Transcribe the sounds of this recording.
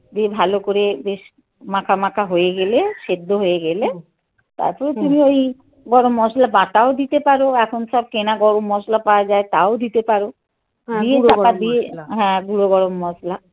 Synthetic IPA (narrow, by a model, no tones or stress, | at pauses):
d̪iebʱalokoɾebeʃ | mãkʰamãkʰaɦojeɡeleʃed̪ʱːoɦoeɡele | t̪a̰ɾpɔɾet̪umioj | ɡɔɾomːɔslabaʈaod̪it̪epaɾoɛkʰonʃɔb̚kenaɡɔɽomːɔslapawad͡ʑaet̪aod̪it̪epaɾo | d̪ietaad̪ieɦɛ̃ɡuɾoɡɔɾomːɔsla